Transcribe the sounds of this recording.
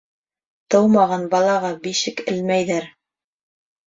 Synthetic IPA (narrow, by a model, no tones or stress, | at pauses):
t̪ɤwmɑʁɑnbɑlˠɑʁɑbiʃɘkɘ̆lmæjðæɾ